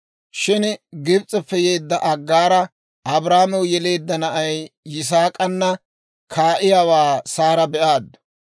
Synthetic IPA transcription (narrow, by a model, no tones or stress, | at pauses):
ʃɪnɡɪbt͡sʼɛpːɛje̞ːd̪ːɐʔɐɡːaːɾɐ | ʔɐbɾaːmɛwjɛle̞ːd̪ːɐnɐʔɐjːɪs̬aːkʼɐnːɐ | kʰaːʔɪjawaːsaːɾɐbɛʔaːd̪ːʊ̥